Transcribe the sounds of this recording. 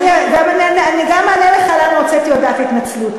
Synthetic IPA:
niaɡamananianiɡamaleleχalalʁot͡set̪iod̪atit̪nat͡slut

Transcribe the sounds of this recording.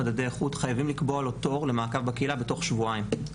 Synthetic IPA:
adade̞jaχutχajavimlikboaloto̞ʁle̞maːkavbakeilabe̞to̞χʃvuaim

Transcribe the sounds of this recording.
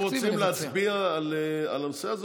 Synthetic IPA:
ʁot͡simleat͡sbiaːlea̰lanoseaz

